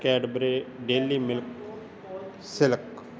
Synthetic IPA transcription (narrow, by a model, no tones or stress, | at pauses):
kɛːɖbɾeːɖeːlːiːmɪlk | sɪlək